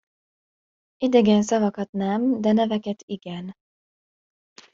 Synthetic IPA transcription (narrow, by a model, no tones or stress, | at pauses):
id̪ɛɡɛnsɒvɒkɒt̪nɛmd̪ɛnɛvɛkɛt̪iɡɛn